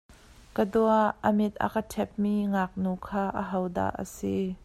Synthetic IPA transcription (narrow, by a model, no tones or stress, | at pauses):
kəduaʔːəmɪt̪̚a̰kətʰɛp̚miŋak̚nuːkʰaːʔəɦowda̰ːʔə̰si